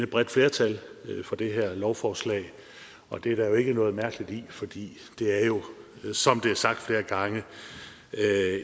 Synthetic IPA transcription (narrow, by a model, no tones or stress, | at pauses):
nəb̥ʁɛd̥fle̝ːɐt͡sʰælfɒ̽d̥e̝ɦeɐ̰lɒʊfɒːslɛ̰ːɪ | ɒ̽d̥e̝æɐɾ̥ɑ̈jo̝e̝ɡ̥ənɔ̽ːð̩ˠmæɐɡ̥əlid̥ifɒ̽d̥ḭː | d̥e̝æɐjo̝ | sɒ̽md̥e̝æɐsɑ̈ɡ̥d̥fle̝ːɐɡ̥ɑ̈ŋə